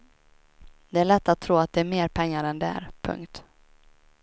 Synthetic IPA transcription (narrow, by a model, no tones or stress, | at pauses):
d̪̥ɛæɭɛt̪ːat̪ʰːɾuːat̪̚d̪ɛːɾmeːɾpʰɛŋːaɾɛnd̪ɛæ̰ːɾpʰɵ̰ŋkt̪